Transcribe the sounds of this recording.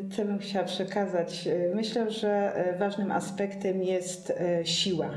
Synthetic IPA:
t̪sɔbɘmxt͡ɕawapʂɛkazat͡ɕmɘɕlɛʐɛvaʐnɘmʔa̰spɛkt̪ɛmjɛst̪ɕiwa

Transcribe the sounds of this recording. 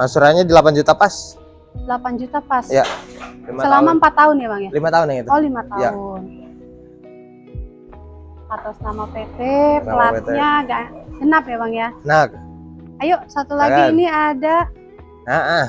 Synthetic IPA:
asuɾaɲadilapand͡ʒut̪apas | dəlapand͡ʒut̪apasjalimsəlammampat̪ːaʊnjabaŋjalimat̪aʊnaŋit̪olimat̪ajaʊn | at̪asətamapet̪eplaɲaɡaɡənapjabaŋjanak̚ajoʔsat̪ulaɡɡiːniada | aʔa

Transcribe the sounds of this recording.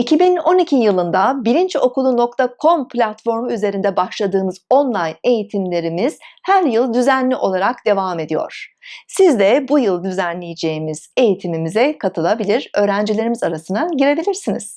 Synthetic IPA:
icʰibino̞nicʰijɯlˠɯnd̪abiɾint͡ʃo̞kulˠːuno̞k̚t̪ʰakʰo̞mplʲat̪fo̞ɾmyze̞ɾind̪ɛbaʃlˠad̪ɯːmɯz̥o̞nlˠajne̞jit̪ʰimlʲe̞ɾimiz̥hæɾjɯlˠd̪yzænlʲiʔo̞lˠaɾakd̪e̞vaːme̞d̪ijo̞̰ɾ̥sizd̪ɛbujɯlˠd̪yzænlʲejed͡ʒe̞imiz̥e̞jit̪ʰimimizɛkʰat̪ʰɯlˠabilʲiɾ̥ø̞ːɾænd͡ʒilʲe̞ɾimizaɾasɯnaɟiɾe̞bilʲiɾsiniz̥

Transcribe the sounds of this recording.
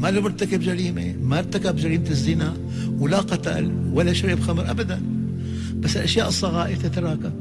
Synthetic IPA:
malubɪɾt̪akabd͡ʒaɾiːmḛmaɾt̪akabd͡ʒaɾiːmt̪ɪzːɪnaʔ | wɪlaqɑt̪a̰lwalːaʃaɾibxamɾʔabad̪an | b̥asːɪlʔaʃjaːʔɨsˤːɑɣaːʔɪt̪at̪ɾˤɑːka

